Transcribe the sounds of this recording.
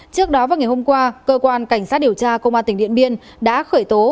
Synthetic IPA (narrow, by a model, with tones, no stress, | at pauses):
t͡ɕɨ˦˥ək̚ɗɔ˨˦vaː˨˩wŋa˨˩jho˧mŋ͡mkwaː˧kəː˧kwaː˧nka˧˩jŋ̟saː˦˥t̚ɗi˨˩əwt͡ɕaː˧kə˧ŋ͡mʔa˧t̪ï˧˩ŋ̟ɗḭ˧˨ənɓi˧ən | ɗa̰ː˧˥xəː˧˩jt̪o˨˦